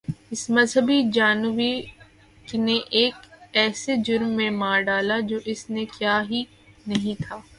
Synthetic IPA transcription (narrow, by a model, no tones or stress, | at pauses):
ɪsmɐzɦəbid͡ʒaːnʋi | kneʔeːkɛːsed͡ʒʊɾmːẽmãːɖaːlad͡ʒoːʔɪsnekjaːɦi | nɐɦĩt̪ʰaː